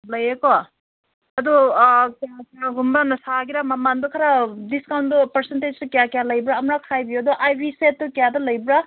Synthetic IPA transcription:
lɐjekɔ | ɐdukjakjaɡumbanɐsaɡiɾamamandɔkʰaɾadiskawntdɔpɐɾsented͡ʒtukjakijalɐjbɾaːmɾakʰajbidɔʔajbiset̚ːukijadɐlɐjbɾa

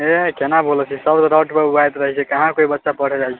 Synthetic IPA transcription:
ekenabolt͡ʃʰisəbd̪ɾawʈpeuajt̪ɾəɦɛt͡ʃʰɛkəɦãkoibətːʃapəɽ̤ɛd͡ʒajt͡ʃʰɛ

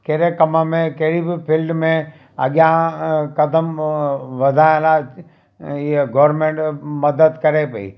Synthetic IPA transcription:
kɐɦɾekɐməmẽkɐɦɪɾibɪpʰɪlɖmẽ | ɐ̰ɠjãkɐd̪əmʋɐd̪ʱaːjə̃la | ɡɔːɾɾmẽːɳʈmɐd̪əd̪kɐɾepɐḭː

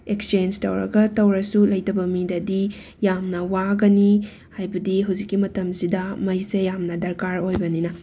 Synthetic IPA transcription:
ekst͡ʃend͡ʒtɐ̰wɾɐ̰ɡɐtɐwɾɐsulɐjtɐbɐmidɐdi | jamnɐwaɡɐni | hajbɐdiɦuwzikːimɐtɐmsidɐmɐjsejamnɐdɐɾkaɾojbɐninɐ

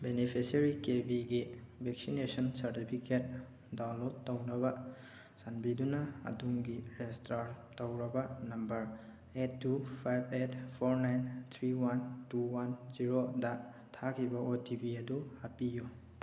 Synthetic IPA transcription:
benipʰisɐɾikebiɡibek̚sinesɔnsɐɾtipʰiket̚ | dawnlotːɐwnɐbɐ | sanbidunɐɐ̰duŋɡiɾestɾaɾtɐwɾɐbɐnɐmbɐɾ | etːupʰajbetpʰoɾnajnt̪ʰɾiwantuwanziɾodɐ | tʰakʰibɐʔotibiɐduhapiju

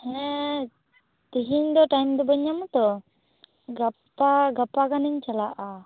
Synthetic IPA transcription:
hɛ | t̪iɦiɲd̪ɔʈajmd̪ɔbəɲamut̪ɔ | ɡapaɡapakaniɲt͡ʃalaʔa

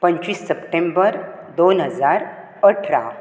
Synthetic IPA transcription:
pəɲt͡ɕʋiːsːəpʈembəɾ | d̪onɦəd͡zaɾ | əʈʰɾa̰

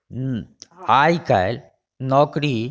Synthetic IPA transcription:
aːjka̰jl | nɔːkɾi

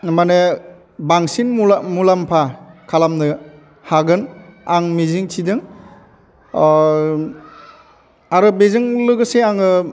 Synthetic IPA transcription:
mane | baŋsinmumulampʰakʰalamnɯ | haɡɯnaŋmiziŋtʰidɯŋ | aɾɯbezɯŋlɯɡɯseaŋɯ

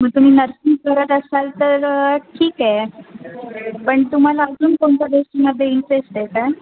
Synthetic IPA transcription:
məɡ̚t̪um̤iːnəɾsinkəɾət̪əsalt̪əɾʈʰiːkɛ | pəɳt̪um̤alaəd͡zuːnkoɳt͡ɕad̪osʈiːməd̪ʱːeinsest̪eka

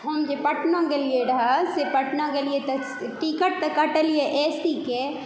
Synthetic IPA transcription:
ɦəmd͡ʒepəʈnãkelieɾəɦasepəʈnãkeliet̪ɐ | ʈikəʈ̚t̪əkːəʈəlieʔeːsʈike

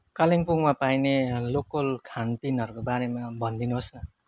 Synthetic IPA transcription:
kaliŋpuŋmapajnelokʌlkʰant̪inʌɾukobaɾemabʌnd̪inuɦosnʌ

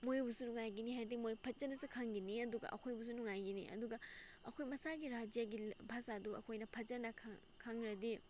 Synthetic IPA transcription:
mojbusunuŋajɡinihaɾdik̚mojpʰɐt̚d͡ʒɐnɐsukʰaŋɡiniɐduɡɐ̰ʔɐ̰kʰojbus̬unuŋajɡinḭʔɐ̰duɡɐɐkʰojmɐsaɡiɾad͡ʒijɐɡibʱasaduɐ̰kʰojnɐpʰɐzd͡ʒɐnɐkʰ | kʰaŋɾɐdi

